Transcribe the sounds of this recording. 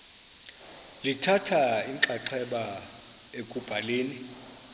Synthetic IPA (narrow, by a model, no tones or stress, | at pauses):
litʰatʰaiŋǁaǁʰɛɓa | ekʼub̥ʱaleːni